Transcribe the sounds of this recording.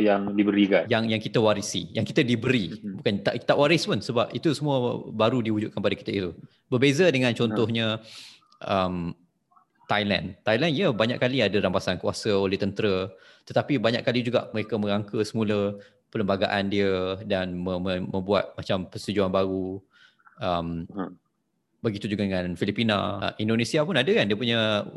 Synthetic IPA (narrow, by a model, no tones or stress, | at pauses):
jaŋdibəɾiɡajaŋjaŋkit̪əwaɾisḭjaŋkit̪ədibəɾibukant̪aʔt̪aʔwaɾɪspənsəbapit̪usəmũəbaɾudiud͡ʒuʔkanpadakit̪əit̪u | bərbezədəŋãnt͡ʃɔnt̪ɔhɲə̃ | ʔəm | t̪ajla̰nt̪ajlandiəbaɲa̰kaliadəɾampasankuasəolɛht̪ənt̪əɾə | t̪ət̪apibaɲaʔkːalid͡ʒuɡa̰ʔməɾekəmə̃ɾaŋkəsəmulə | pələmbaɡaʔandiədanməmə̃mbuat̪̚mat͡ʃampəst̪ud͡ʒuanbaɾu | əm | bəɡit̪ud͡ʒuɡadəŋãnfilipina̰indonẽsiapunadəkandiəpuɲə